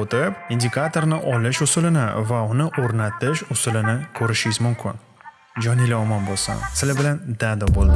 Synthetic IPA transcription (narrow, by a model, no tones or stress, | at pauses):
ot̪ɪpind̪ʲɪkʰat̪ʰo̞ɾnɪʔɒlɪʃʊsʊlɪnɪ̰vaʊnɪʔoɾnat̪ɪʃʊsʊlɪnɪkʲʰɵɾɪʃɪjɪzmʊmkʲʰɪn | d͡ʒɒnɪlɪɒmɒnbolˠsʊ̰nsɪlɪbɪland̪ad̪ɒbolˠd̪ɪ